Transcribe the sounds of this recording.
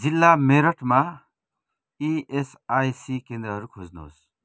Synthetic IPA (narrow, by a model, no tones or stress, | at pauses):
d͡zilːameɾʌʈʰma | ies | ajsikẽnd̪ɾʌɦʌɾukʰod͡zno̰s